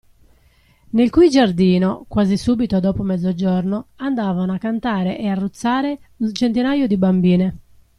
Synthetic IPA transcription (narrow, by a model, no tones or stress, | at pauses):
nelkujd͡ʒard̪iːnokwaːzisuːbit̪od̪ɔːpomɛd̪zːod͡ʒɔrnoand̪aːvanoakːant̪aːɾeʔɛarːut̪sːaːɾe | unt͡ʃent̪inaːjod̪ibambiːne